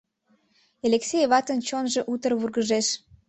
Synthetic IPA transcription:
eleksʲejβɑt̪ənt͡ɕonʒeʔut̪ərβurɣəʒeʃ

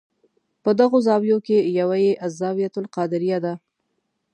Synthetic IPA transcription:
pəd̪aɣozɑbjokejawajeʔazɑwijat̪ʊlqɑd̪ɪɾijad̪a

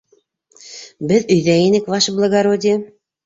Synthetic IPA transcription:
bɘ̆ðyjðæenɘ̆kβɑʃblˠɤ̆ɣɑɾodʲĕ

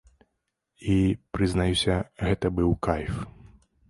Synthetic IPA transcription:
ipɾɨznajusʲɐɣɛt̪ɐbɨwkajf

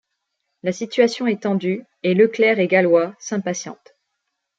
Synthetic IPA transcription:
lasit̪ɥasjɔ̃ɛt̪ɑ̃d̪y | eləklɛʁeɡalwasɛ̃pasjɑ̰̃t̪

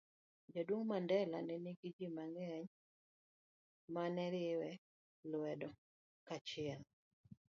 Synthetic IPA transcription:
d͡ʒadwoŋmandɛlanɛniɡid͡ʒimaŋɛɲ | manɛɾɪwɛ | lwɛdɔ | kat͡ʃɪɛl

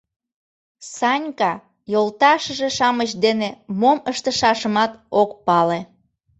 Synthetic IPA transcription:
sɑnʲkɑ | jolt̪ɑʃəʒeʃɑməɕd̪enemoməʃt̪əʃɑʃəmɑt̪okpɑle

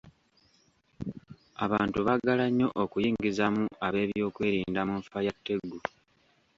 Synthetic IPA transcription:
aβaːntuβaɡalaɲːo̞ʔokujiːŋɡizamuaβe̞ːβjo̞ːkwe̞ːɾiːndamuɱfajatːe̞ɡːu

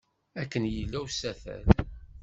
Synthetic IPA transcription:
ækːənjəlːæwsæθæ̰l

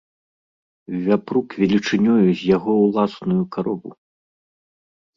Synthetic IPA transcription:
vʲapɾukvʲɛlʲit͡ʂɨnʲɔjuzʲjaɣɔwlˠasnujukaɾɔbu

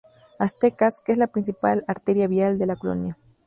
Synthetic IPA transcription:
ast̪ekaskeeslapɾinsipalaɾt̪eɾjaβiald̪elakolo̰nja

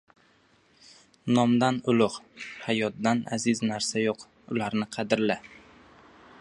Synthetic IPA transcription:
nɒmd̪anʊlˠʊqhajɒt̪̚d̪ana̰zɪznaɾsajoq | ʊlaɾnɪqʰɑd̪ɪɾla

